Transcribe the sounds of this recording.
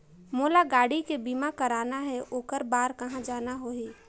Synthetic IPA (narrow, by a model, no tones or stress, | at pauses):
moːlaɡaːɽikebimakəɾaːnaɦɛʔoːkəɾbaːɾkɐɦãd͡ʒaːnaɦoːɦiː